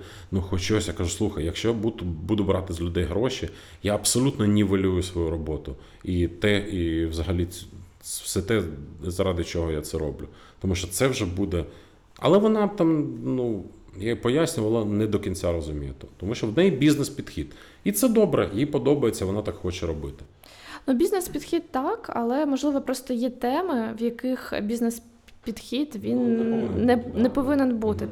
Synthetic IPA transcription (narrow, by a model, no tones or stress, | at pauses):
nuxɔt͡ʃɔsʲjakɐʒuslˠuxɐjjɐkʃt͡ʃɔjabut̪ʊbud̪ʊbɾɑt̪ɪzʲlʲʊd̪ɛjɦɾɔʃʲi | jaɐbsɔlʲut̪nɔnʲiʋɐlʲujʊsʋɔjuɾɔbɔt̪ʊ | it̪ɛiʋzɐɦɐlʲi | sɛt̪ɛzɐɾɑd̪ɪt͡ʃɔɦɔjat̪sɛɾɔblʲʊ | t̪ɔmuʃt͡ʃɔt̪sɛwʒɛbud̪ɛ | ɐ̰lˠɛʋɔnɑt̪ɑmnu | japɔjasʲnʲʊʋɐlˠɐnɛd̪ɔkʲinʲt͡sʲaɾɔzʊmʲijɛt̪ɔt̪ɔmuʃt͡ʃɔwd̪nɛjbʲiznɛspʲid̪̥xʲid̪ | it̪sɛd̪ɔbɾɛ̰jjipɔd̪ɔbɐjet͡sʲːɐʋɔnɑt̪ɑkxɔt͡ʃɛɾɔbɪt̪ɪ̥ | nubʲiznɛspʲid̪xʲid̪t̪ɑkɐ̰lˠɛmɔʒlˠɪʋɔpɾɔst̪ɔjɛt̪ɛmɪwjɐkɪxbʲiznɛs | pʲid̪xʲid̪ʋʲinːɛnɛpɔʋɪnɛnbut̪ɪ